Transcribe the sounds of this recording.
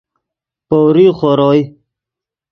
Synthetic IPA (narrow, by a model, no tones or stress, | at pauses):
powɾiχoɾoj